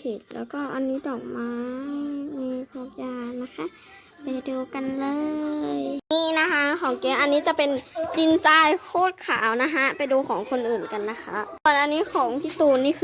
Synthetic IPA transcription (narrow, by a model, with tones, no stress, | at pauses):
pʰi˨˩t̪̚lɛ̰ː˦˥wkɔː˧˩ʔa˧˨nːiː˦˥d̪ɔː˨˩k̚maː˧˥ | miː˧kʰoː˧˩k̚jaː˧na˦˧˥kʰa˧˥ | pa˨jduː˧ka˨nlɤː˧jniː˧˩na˦˥kʰa˦˥xʰɔ˨˩˦wke˧˦ʔa˧nːiː˦˥t͡ɕa˧˩pe˨ndi˧˨nsaː˧jkʰoː˧˥˩t̪̚kʰa̰ː˨˦wna˦˧˥ɦa˧˥pa˨jduː˧xʰɔː˩˦ŋkʰo˧nʔɯː˨˩nka˨nːa˦˧˥xʰa˦˥ʔk̪ɔː˧˩nʔa˧nːiː˦˥˨kʰɔː˨˦ŋpʰi˧˥t̪uː˧nːiː˧˩˧